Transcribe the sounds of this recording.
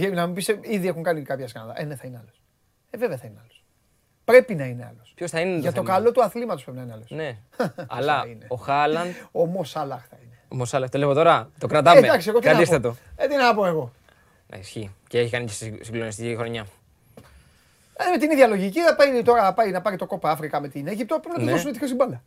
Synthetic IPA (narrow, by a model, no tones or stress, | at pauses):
enɐmibiseiðiexuŋkɐnikɐpçɐskɐ̰nðɐ̰ʔeneθɐineɐlos | eveveɐθɐineɐlos | pɾe̞pinɐine̞ɐ̰lospçosθɐineʝɐtt̪o̞kɐlo̞t̪uɐθlimɐt̪ospɾepinɐineɐlosne | ɐlɐineoxɐlɐnd̪omosɐlɐxθɐinemosɐlɐxt̪olemot̪o̞ɾɐt̪okɾɐt̪ɐmed̪ɐksieɣot̪iɐt̪isθɐt̪o̞et̪inɐɐpoe̞ɣo̞ | nɐ̰isçiceeçikɐnicessiɡlonis̬t̪icixɾo̞ɲɐ | ɐðemet̪iniðjɐloʝiciθɐpɐjt̪o̞ɾɐpɐjnɐpɐɾit̪o̞ko̞pɐɐfɾikɐme̞t̪ineʝip̚t̪opemnɐoðosunet̪iços̬imbɐlɐ